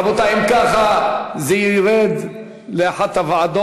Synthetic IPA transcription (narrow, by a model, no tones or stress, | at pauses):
bot̪aimkaχazeiɾed̪ | leaħat̪avaʕad̪o